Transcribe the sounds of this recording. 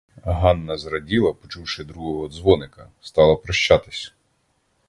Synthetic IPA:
ɦɑnːɐzɾɐdʲilˠɐpɔt͡ʃuwʃɪd̪ɾuɦɔɦɔːd̪zʋɔnɪkɐst̪ɑlˠɐpɾɐʃt͡ʃːɑt̪ɪ̥sʲ

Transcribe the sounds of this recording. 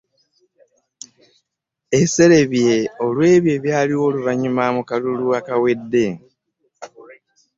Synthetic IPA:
ese̞le̞βje̞o̞lwe̞ːβje̞βjaːliwo̞ːluβaɲumamukaluluakawe̞dːe̞

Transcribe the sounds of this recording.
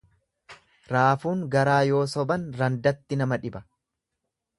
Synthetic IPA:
ɾaːfuːŋɡɐɾaːjo̞ːsɔbɐnɾɐnd̪ɐt̪ːɪnɐmɐᶑɪbɐ

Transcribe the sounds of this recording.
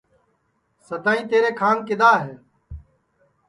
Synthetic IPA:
səd̪aːĩːt̪eːɾeːkʰaːnkɪɗ̪aːɦeː

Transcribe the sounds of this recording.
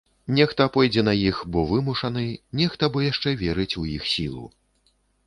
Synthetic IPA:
nʲɛxt̪ɐpɔjd͡zʲɛnɐjixbɔvɨmuʂɐnɨnʲɛxt̪ɐbɔjaʂt͡ʂɛvʲɛɾɨt͡sʲujixsʲilˠṵ

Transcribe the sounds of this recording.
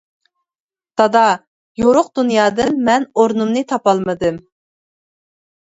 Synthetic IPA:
t̪ɑd̪ɑ | joɾʊqd̪unjɑːd̪ɨnmɛnoɾnumnɨt̪ʰɑpɑlˠmɨd̪ɨm

